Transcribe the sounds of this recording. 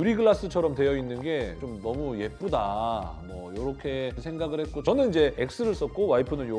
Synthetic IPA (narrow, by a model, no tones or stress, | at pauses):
uɾiɡɯɭːas͈ɯt͡ɕʰʌɾʌmtwe̞jʌinːɯnɡe̞t͡ɕomnʌmuje̞p͈udamʌjoɾʌkʰe̞sʰe̞ŋɡaɡɯɭhe̞t̚k͈ot͡ɕʌnɯnid͡ʑe̞ek̚s͈ɯɾɯɭs͈ʌt̚k͈owaipʰɯnɯnjo